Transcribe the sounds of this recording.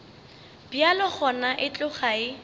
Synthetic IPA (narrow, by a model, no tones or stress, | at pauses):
bjalɔk͡xʰɔnaʔɪt͡ɬʊχaɪ